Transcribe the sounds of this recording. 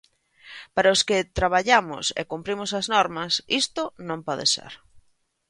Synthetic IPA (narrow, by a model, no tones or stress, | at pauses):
paɾɐoskɪt̪ɾaβ̞aʎamʊ̰sḛkumpɾimʊsɐznɔɾmɐsist̪ʊnõmpɔðḛsḛɾ